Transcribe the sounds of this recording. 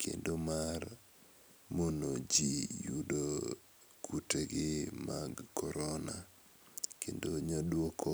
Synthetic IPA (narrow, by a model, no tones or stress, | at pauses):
kʰḛndomar | monod͡ʒijudo | kʰuteɡɪmaɡkɔɾɔna | kendoɲɔdwɔkʰo